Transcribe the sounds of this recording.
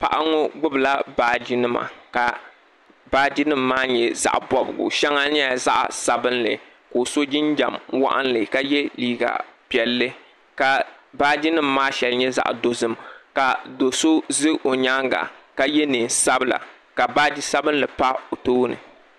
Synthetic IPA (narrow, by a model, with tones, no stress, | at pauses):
pa̰˨ʔa˦ŋo˦ɡ͡bʊ˦bla˦baː˨d͡ʒɪ˦nɨ˦ma̰˨ka˨ | baː˦d͡ʒi˦nɨ˦mːaː˦ɲɛ˨za̰˨ʔbɔ˦bɨ̰˨ɡʊ̰˨ʃɛ˦ŋa˦nɪ˦a˨za˦ʔsa˨bɨ˦nlɨ̰˨ | koː˨so˦d͡ʒɪ˦nd͡ʒa̰˨mwa̰˦ʔa̰˦nlɨ˨ka˦jɛ˦liː˦˨ɡa̰˨pi˨ɛ˨lːɨ˦ | ka˨baː˦d͡ʒi˦nɨ˦mːaː˦ʃɛ˨lɲɛ˦za̰˨ʔdo˨zɨ˦mka˨do˨so˦zɨ˦o˨ɲa˦ŋɡa̰˨ka˦jɛ˦nɨ˨n˨sa˦bɨ˦˨la̰˨ | ka˨baː˦d͡ʒi˦sa˦bɨ˦nlɨ˨pa˦o˨toː˦nɨ̰˨